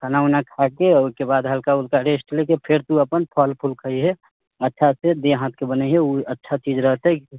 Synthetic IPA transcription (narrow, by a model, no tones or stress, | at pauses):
kənaunakʰakeoikebad̪ɦəlkaulkaɾesʈlekepʰeɾt̪uəpənpʰəlpʰulkʰəiɦɛ | ətːʃʰased̪eɦãt̪̚ʰkebənəɦɛuətːʃʰat͡ʃid͡ʒɾəɦt̪ɦɛ